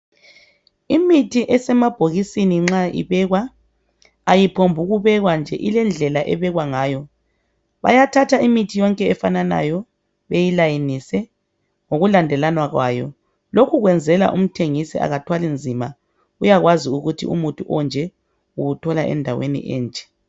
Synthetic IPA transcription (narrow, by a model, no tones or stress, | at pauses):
imitʰiʔɛsɛmab̥ʱoɣisiniŋ͡ǁaḭβɛɣwa | ajipʰombʱuɣuβɛɣwand͡ʒʱɛʔilɛnd͡ɮʱɛlaʔɛβɛɣwaŋaːjɔ | βa̰jatʰatʰaimitʰijɔŋkʼɛɛfanana̰jɔ | βejilajinisɛ | ŋoɣulandʱɛlanwaɣwa̰ːjɔ̰ | lokʰuɣwɛnd͡zʱɛla̰ʔum̩tʰeŋisḭa̰ɣatʰwalind͡zʱima | ujaɣwaziuɣutʰḭṵmutʼuʔɔnd͡ʒʱɛ | uutʰɔlaʔɛ̰ndʱawḛnḭʔɛ̰ːnt͡ʃʼɛ̥